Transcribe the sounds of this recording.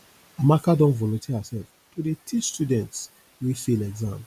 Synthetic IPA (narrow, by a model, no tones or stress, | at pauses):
amakadɔ̃nvɔlõtʰehasɛlf | todetʰistjudɛ̃nts | wifelɛɡzãm